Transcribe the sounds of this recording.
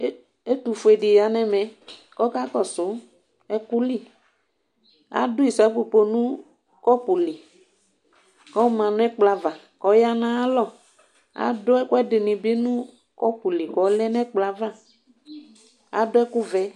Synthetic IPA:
e˦t̪u˨fo˨e˨ɖi˨ja˨nɛ̃˦mɛ̃˨˦ | kɔ˦ka˦kɔ˨sʊ˨˦ | ɛ˦ku˦li˦ | a̰˨dʊ˦i˨sɛ˨˦pu˨po˨nũ˦ | kɔ˦pu˨li˨ | kɔ˦mã˨nũ˦ɛ˦k͡pla˨va˨ | kɔ˨ja˦nã˦a˦lɔ˦˨ | a̰˨˦dʊ˦ɛ˦ku˦ɛ˦dɪ˨nĩ˨bi˦nũ˦ | kɔ˦pu˨li˨kɔ˨˦lɛ˦nɛ̃˦k͡pla˨va˦˨ | a̰˨˦dʊ˦ɛ˦ku˦vɛ˦

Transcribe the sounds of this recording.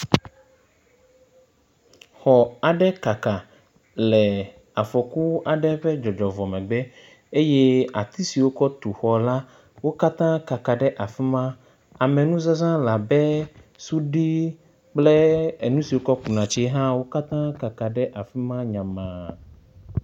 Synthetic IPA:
xɔ˨a˨ɖɛ˦ka˨ka˨ | lɛ˨ | a˨fɔ˨ku˦a˨ɖɛ˦ɸɛ˦d͡ʒɔ˨d͡ʒɔ˨vɔ˨mɛ̃˨ɡ͡bɛ˦ | e˦je˦a˨t̪i˦si˨wo˦kɔ˦t̪u˨xɔ˨la˦ | wo˦ka˦t̪ã˦ka˨ka˨ɖɛ˦ʔa˨fi˦mã˦ | a˨mɛ˨nũ˦za˦zã˦la˨bɛ˦su˦ɖi˦ | k͡plɛ˦e˨nũ˦si˨wo˦kɔ˦k͡pu˨nã˨t͡ʃi˦ɦã˦wo˦ka˦t̪ã˦ka˨ka˨ɖɛ˦ʔa˨fi˦mã˦ɲã˨mã˨

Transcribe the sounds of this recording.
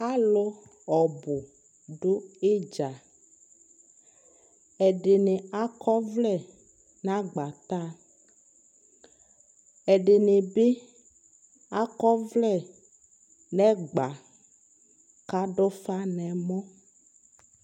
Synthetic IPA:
a˦lo˦ɔ˨bʊ˨ | ɖo˦e˦d͡ʒa˨ | ɛ˨ɖe˨ne˨a˦kɔ˦vlɛ˦˨ | nã˦ɡ͡ba˨t̪a˦˨ | ɛ˨ɖe˨ne˨be˦ | a˦kɔ˦vlɛ˦˨ | nɛ̃˦ɡ͡ba˨ | ka˦ɖo˦fa˦nɛ̃˨mɔ̃˦

